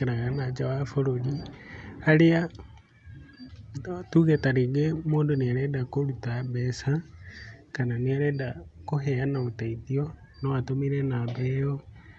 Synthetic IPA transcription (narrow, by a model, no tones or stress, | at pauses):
eɾaɣanad͡ʒawafoɾoli | alea | tuɣɛtaɾeɡemoːndoneaɾɛdakoɾutabɛsa | kananeaɾɛdakoɦɛanaotaiðiɔ | nɔatomiɾɛnabɛɔ